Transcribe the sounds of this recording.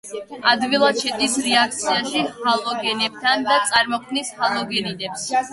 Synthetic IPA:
ad̪vilˠad̪ʃɛt̪ʼisɾɛak̚ʰt̪sʰiaʃihalˠɔɡɛnɛb̚t̪ʰand̪at̪sʼaɾmɔkʰmnishalˠɔɡɛninɛps

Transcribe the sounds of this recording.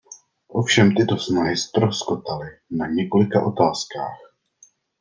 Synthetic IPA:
ʔo̞fʃɛmt̪ɪt̪o̞snaɦɪst̪ɾoskot̪alɪnaɲɛko̞lɪkaʔo̞t̪aːska̰ːx

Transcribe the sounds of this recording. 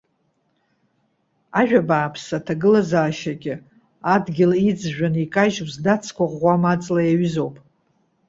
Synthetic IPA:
aʒᶣabaːpʰsatʰaɡɨlazaːʃaɡʲɪ | adɡʲɪlid͡zʒᶣanikʼaʒwzdat͡sʰkʷʰaʁʷamat͡sʼlajaɥzo̞wpʼ

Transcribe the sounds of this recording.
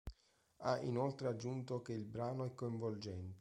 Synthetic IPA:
aḭnolt̪ɾead͡ʒːunt̪okeilbɾaːnoɛkːoiɱvold͡ʒɛnt̪e

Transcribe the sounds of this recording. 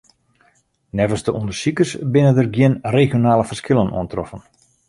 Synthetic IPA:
nɛvəsdəʔundərsikəsbɪnədərɡjɪənrexjonaːlˠəfərskɪlˠənṵəntrɔfən

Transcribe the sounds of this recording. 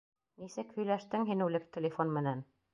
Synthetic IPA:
nisɘkhɵ̆jlæʃt̪ɘŋɦinɘ̆lɘk̚t̪ʲɪ̆lʲɪfonmɘ̆næn

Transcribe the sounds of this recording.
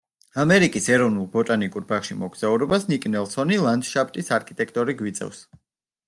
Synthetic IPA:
amɛɾikʼisɛɾɔvnulˠbɔt̪ʼanikʼuɾbaχʃimɔɡz̥auɾɔbasnikʼnɛlˠsɔnilˠand̪ʃap̚ʰt̪ʼisaɾkʰit̪ʼɛkʰt̪ʼɔɾiɡwit̪sʼɛ̰fs

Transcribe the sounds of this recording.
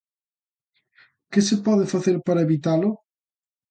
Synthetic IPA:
kesepɔðefaθeɾpaɾaeβit̪alo

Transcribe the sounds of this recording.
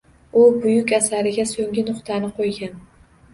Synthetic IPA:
ʊbʊjʊkʲasaɾɪɡʲasoŋɡʲɪnʊqt̪ʰanɪqʰojɡʲan

